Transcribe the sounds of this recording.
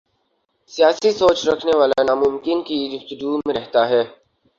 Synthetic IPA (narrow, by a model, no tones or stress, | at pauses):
sijaːsisoːt͡ʃɾɐkʰneʋaːlanaːmʊmkɪnkid̪ʊft̪ʊd͡ʒuːmẽɾɛɦt̪aɦɛː